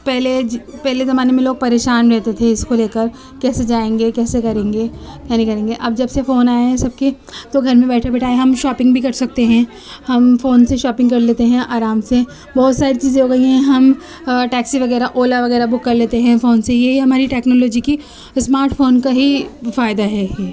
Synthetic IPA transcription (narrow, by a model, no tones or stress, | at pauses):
pɛɦlepɛɦlezɐmaːnemẽloːɡ̚pɐɾeːʃaːnɾɛɦt̪et̪ʰeɪskoleːkəɾ | kɛːsed͡ʒaːẽːŋɡekɛːsekɐɾẽːŋɡeːjaːnĩkɐɾẽːŋɡeʔɐbd͡ʒɐbsefoːnaːeɦɛ̃sɐb̚ke | t̪oɡʱɐɾmẽbɛːʈʰebeʈʰaːeɦɐmʃaːpɪ̃ŋɡbʱikɐɾsɐk̚t̪eɦɛ̃ː | hɐmfoːnseʃaːpɪ̃ŋɡkɐɾleːt̪eɦɛ̃ʔaːɾaːmse | bɔːt̪saːɾit͡ʃiːzẽɦoːɡɐiɦɛ̃ɦɐm | ʈɛːksiʋɐɡɛːɾaʔoːlaʋɐɣɛːɾabʊkːɐɾleːt̪eɦɛ̃foːnsejeɦiɦɐmaːɾiʈɛːknɔːlɔːd͡ʒiki | smaːɾʈfoːnkaɦifaːjd̪aɦɛː